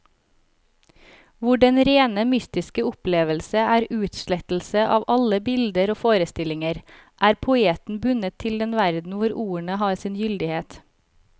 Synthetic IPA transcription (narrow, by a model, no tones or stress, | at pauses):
ʋʊɖɛnɾeːnəmʏst̪ɪskəʊpleːʋəlsəʔæːɾʉːt̪ʃlɛt̪l̩səʔɑːʋʔɑləbɪld̪əɾoːfoːɾəst̪ɪlɪŋəɾ | ʔæːɾpʰʊeːt̪n̩bʉnət̪ʰɪld̪ɛnʋæɾd̪n̩ʋʊɾʔuːəɳəhɑːɾsɪːnjʏld̪ɪheːt̪